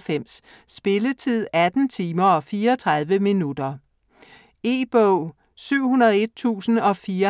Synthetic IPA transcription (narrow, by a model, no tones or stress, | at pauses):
fem̰sː | b̥e̝lət͡sʰið̰ˠæd̥n̩t͡sʰiːmɐɒ̽fiːɐɒt͡sʰʁɑ̈ð̞ˠʋəminud̥ɐ | e̝ːb̥ɔʊ | syʊ̰hunɐð̞ˠe̝d̥̚t͡sʰṵːsn̩ɒ̽fiːɐ